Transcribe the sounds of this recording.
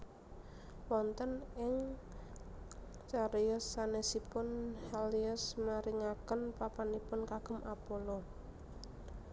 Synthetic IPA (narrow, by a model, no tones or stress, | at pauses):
wɔnt̪ənɪŋ | t͡ʃaɾiʊsːanesipʊnhaliəsmaɾiŋakənpapanipʊnkaɡ̥ə̤mʔapolɔ